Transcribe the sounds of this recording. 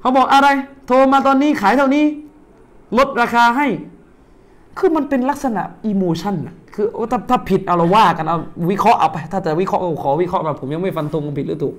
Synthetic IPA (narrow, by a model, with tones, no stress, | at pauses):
ha˧˩wbɔː˨˩k̚ʔa˧ɾa˧jt̪ʰoː˧maː˧t̪ɔː˧nːiː˥˨kʰaː˩˦t̪ʰa˥˩wniː˦˥˩ | lo˦˥t̪̚ɾaː˧kʰaː˧ɦa˥˩j | kʰɯː˧ma˧npe˧nla˦˥k̚sa˧na̰˨˩ʔʔiː˧moː˧t͡ɕʰa˥˩nːa˨˩kʰɯː˧ʔo˧˥˩t̪a˥˩t̪ʰaː˥˩pʰi˨˩t̪̚ʔa˧˩wɾa˧waː˥˩ka˧nʔa˧˩wwi˦˥kʰɾɔ˦˥ʔa̰˧wpa˧jt̪ʰaː˥˩t͡ɕa˨˩wi˦˥kʰɔ˦˥ʔkɔ˧˩kʰɔː˩˦wi˦˥kʰɾɔ˦˥ʔpa˧˩pʰo˩˦mja˧ŋma˥˩jfa˧nt̪ʰo˧ŋka˧npʰi˨˩ɾɯː˨˦˥t̪u˨˩